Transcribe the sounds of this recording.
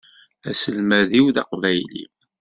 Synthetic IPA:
æsəlmæðiwðɑ̰qvæjlḭm

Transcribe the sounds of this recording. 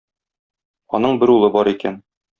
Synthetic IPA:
ɒnɤɴbɘɾulˠɤbɒɾikæn

